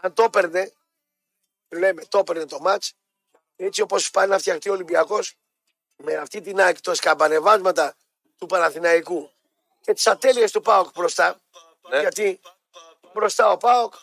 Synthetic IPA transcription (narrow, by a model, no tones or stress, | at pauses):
ɐnt̪o̞pe̞ɾne̞ | le̞me̞t̪o̞pe̞ɾnet̪o̞mɐt͡ʃ | e̞t͡sio̞po̞spɐnnɐft̪çɐxt̪io̞limbiɐko̞s | meɐft̪it̪inɐci̥t̪oskɐbɐne̞vɐzmɐt̪ɐ | t̪upɐnɐθinɐiku | ce̞t̪i̥sɐt̪e̞lie̞st̪upɐokbɾo̞st̪ɐ | ʝɐt̪i | bɾo̞st̪ɐo̞pɐok